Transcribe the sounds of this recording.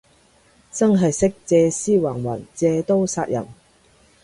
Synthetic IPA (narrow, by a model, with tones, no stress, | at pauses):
t͡sɐ˥ŋɦɐ˨jsɪ˥k̚t͡sɛː˧siː˥waː˨˩ŋwɐ̰˨˩nt͡sɛː˧t̪o˥wsaː˧t̚jɐ̰˨˩m